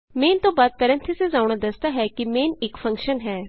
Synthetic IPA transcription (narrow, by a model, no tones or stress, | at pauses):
meːnt̪õːbaːd̪̚pɛɾə̃nt̪ʰesezãːuɳ̃aːd̪əsd̪aːɦɛːkimeːnɪkfʰə̃ŋkʃənɦɛː